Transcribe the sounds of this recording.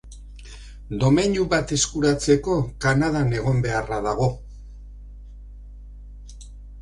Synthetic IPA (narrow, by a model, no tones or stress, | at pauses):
d̪o̞meɲuβat̪e̞skuɾat͡se̞ko̞kanaðane̞ɣ̞o̞mbe̞araðaɣ̞o̞